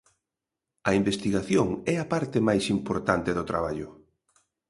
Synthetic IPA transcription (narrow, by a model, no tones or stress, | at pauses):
ɐimbest̪iɣaθjoŋɛɐpaɾt̪ɪmajsimpoɾt̪ant̪eðʊt̪ɾaβaʎʊ